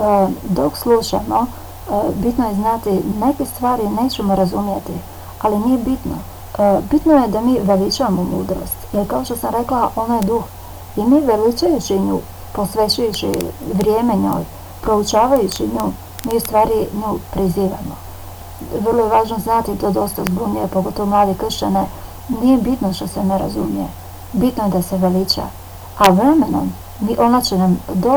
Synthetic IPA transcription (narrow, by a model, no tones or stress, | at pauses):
d̪o̞kslˠuʃa̰mo̞ | bit̪nojeznat̪ine̞ke̞st̪ʋaːɾine̞ːt͡ɕe̞moɾazumjet̪i | alinije̞bit̪no̰ | bit̪nojed̪amiːʋelit͡ʃaʋamomṵːd̪ɾo̞̰st̪jelkao̞ʃt̪osamɾe̞klaʔo̞najd̪ux | imiːʋelit͡ʃajut͡ɕiɲṵː | po̞sʋe̞t͡ʃujut͡ɕḭʋɾjeːme̞ɲo̞̰ːj | pɾo̞ut͡ʃaːʋajut͡ɕiɲuː | miːust̪ʋaːɾiɲuːpɾiziːʋa̰mo | ʋr̩lˠojeʋaːʒnoznat̪it̪od̪o̞st̪azbunujepoɡo̞t̪o̞ʋomlˠaːd̪ekr̩ʃt͡ɕane | nije̞bit̪noʃt̪ose̞neɾa̰zumije | bit̪nojed̪ase̞ʋelit͡ɕa̰ | aʋɾe̞me̞no̰m | miʔo̞nat͡ɕenamd̪o